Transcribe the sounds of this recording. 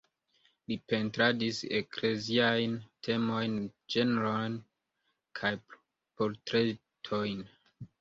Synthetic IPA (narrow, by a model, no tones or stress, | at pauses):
lipe̞ntɾadisekle̞ziajntʰe̞mo̞jnd͡ʒeneɾojn | kʰaj | poɾtɾe̞ | tʰo̞jn